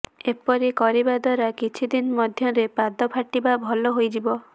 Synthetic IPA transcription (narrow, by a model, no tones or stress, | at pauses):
epɔɾikɔɾibad̪waɾakit͡ʃʰid̪inmɔd̪ʱjɔɾepad̪ɔpʰaʈibabʱɔlɔɦojd͡ʒibɔ